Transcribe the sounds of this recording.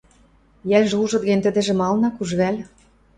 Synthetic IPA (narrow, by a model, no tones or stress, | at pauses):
jælʲʒuʒɤ̆d̪ɣĕnʲt̪ɘ̆d̪ĕʒĕmɑlnɑkuʒβælʲ